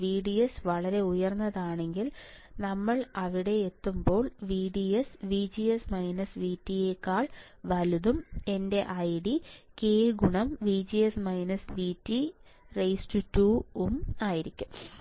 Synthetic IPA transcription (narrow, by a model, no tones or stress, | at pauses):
ʋiːɽijesʋɐɭɐɾe̞ujɐrnːɐðaːɳe̞ŋɡil | nɐmːɐɭɐʋiɽe̞ːt̪ːumbo̞ːɭʋiːɽiesʋiːd͡ʑijesmɐjnɐsʋiːtːijeːkːaːɭ | ʋɐluðume̞nde̞ʔɐjɽikeːɡuɳɐmʋiːd͡ʑijesmɐjnɐsʋiːtːirejstutuːumaːjiɾikʲːum